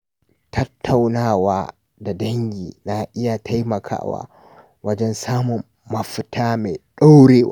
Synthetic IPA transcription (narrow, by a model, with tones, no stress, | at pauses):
tʰɐ˦tːa˨wnaː˦waː˦ | da˨dɐ˦ŋɡʲiː˨na˨ʔɪ˦ja˨tʰa˦jmɐ˨kʰa̰ː˦wa̰ː˦ | wɐ˦d͡ʒɛ˦nsaː˦mʊ˨mːɐ˨ɸɪ˦tʰaː˦me˨ɗa˦wɽeː˦wa˦